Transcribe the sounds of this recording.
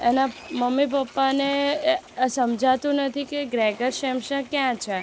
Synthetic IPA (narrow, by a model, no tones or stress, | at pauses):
enaməmːip̬əpːane | səmd͡ʒʱat̪ũnət̪ʰikeɡɾɛɡəɾʃɛmʃə̃kjãt͡ʃʰe